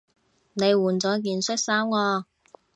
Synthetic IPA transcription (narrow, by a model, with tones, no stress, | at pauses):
ne˨˧jwuː˨˩nt͡sɔː˨˥k̬iː˨nsɵ˥t̚saː˥wŋɔː˧